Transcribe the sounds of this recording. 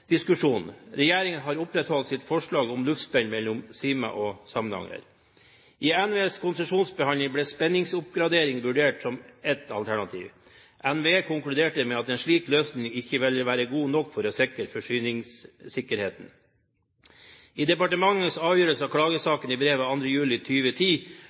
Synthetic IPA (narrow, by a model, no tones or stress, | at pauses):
d̪̥ɪskʉʂuːnɾɛjeːɾɪŋənɦɑːɾʊpɾɛt̪hɔlt̪sɪt̪fɔʂɭɑːɡʊmlʉft̪spɛnmɛlːʊmsiːmɑ̰ʔɔsɑmnɑ̰ŋə̰ɾ | ʔiːænʋeːskʰʊnsəʂuːnsbəhɑnləbleːspɛnːɪŋsʊp̚ɡɾɑd̪eːɾɪŋʋʉɖeːʈsɔmɛt̪ʰɑ̰lt̪ʰæɳɑt̪ʰḭːʋ | ʔænʋekʊŋklʉd̪eːʈəmɛɑt̪eːnʂlɭiːkløːsnɪŋɪçːəʋɛləʋæːɾəɡuːnɔkːfɔɾɔsɛkəɾfɔʂyːnɪŋssɪkːəɾheːt̪n̩ | iːd̪ɛpɑʈəmɑŋːəsɑːʋjøːɾəlsəɑkʰɽɑːɡəsɑːkəniːbɾeːʋəɑnd̪ɾəjʉːlɪt̪ʰyːʋət̪ʰiː